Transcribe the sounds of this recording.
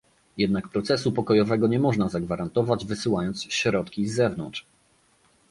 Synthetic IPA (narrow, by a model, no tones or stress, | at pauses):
jɛd̪̚nakpɾɔt̪sɛsupɔkɔjɔvɛɡɔɲɛmɔʐnazaɡvaɾant̪ɔvad͡ʑvɘsɘwajɔnt̪sɕɾɔt̪kʲizːɛvnɔ̰ntʂ